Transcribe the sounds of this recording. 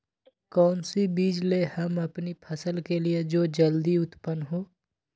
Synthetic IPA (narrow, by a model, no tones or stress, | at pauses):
kɔːnsibiːd͡ʒlehɐmɐpnipʰɐsəlkelied͡ʒoːd͡ʒɐld̪iʊt̪pənɦoː